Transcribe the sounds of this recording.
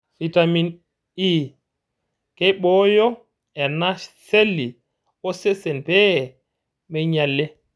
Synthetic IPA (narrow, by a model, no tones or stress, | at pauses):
fitamin | i | kɛɓɔjɔ | ɛnaselːi | ɔsɛsɛnpɛ | mɛɲalːɛ